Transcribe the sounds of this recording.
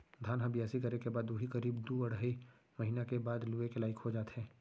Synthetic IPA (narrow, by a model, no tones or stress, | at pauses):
d̪ʱaːnɦəbjaːsikɐɾekebaːd̪uɦikɐɾiːbd̪uːɐɽ̤ai | mɐɦiːnakebaːd̪luːekelaːɪkhod͡ʒaːt̪ɦɛ̃ː